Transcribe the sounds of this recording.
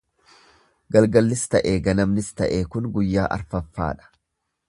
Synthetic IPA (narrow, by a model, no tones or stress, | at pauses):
ɡɐlɡɐlːɪst̪ɐʔeːɡɐnɐmnɪst̪ɐʔeːkʊnɡʊjːaːʔɐ̰ɾfɐfːa̰ːᶑɐ̥